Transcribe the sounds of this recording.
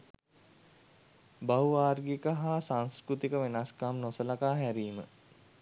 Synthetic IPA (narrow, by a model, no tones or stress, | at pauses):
bauaːrɡikəɦaːsaŋskɾut̪ikəʋenaskamnosəlakaːɦæɾiːmə̰